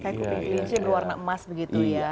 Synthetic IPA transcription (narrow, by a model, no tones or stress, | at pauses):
kajakupiŋkiliɲsanluwarnaʔəmasbəɡit̪uja